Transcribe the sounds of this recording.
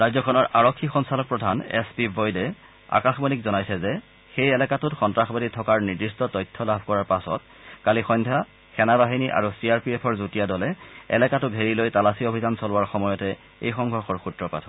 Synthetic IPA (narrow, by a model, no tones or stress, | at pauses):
ɹazɔkʰɔnɔɹʔaɹɔkʰːixɔnsalɔk̚pɹɔdʱanɛ̰spibʱɔjdɛ | a̰kaxbɔnikzɔnajsɛzɛ | xejɛlɛkatʊtxɔntɹaxbaditʰɔkaɹniɹdistɔtɔjtʰːɔlabʱkɔɹaɹpasɔ̰t̚ | kalixɔjndʱa | xɛnabaɦiniʔa̰ɹusiaɹpiɛpʰɔɹzutijadɔlɛɛ̰lɛkatʊɡʱeɹilojtalasiobʱizansɔlʊwaɹxɔmɔjɔtɛ | ḛjxɔŋɡʱɔɹxɔɹxutɹɔpa̰tʰɔ